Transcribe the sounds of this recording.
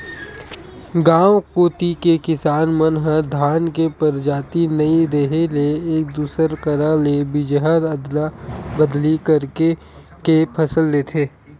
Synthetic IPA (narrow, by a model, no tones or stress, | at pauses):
ɡãːwkoːt̪ikekɪsaːnmənɦəd̪ʱaːnkepəɾd͡ʒaːt̪inɐiɾeɦeleeːk̚d̪uːsəɾkəɾalebɪd͡ʒɦəd̪əd̪labəd̪likɐɾke | kepʰɐsəlːeːt̪ʰeː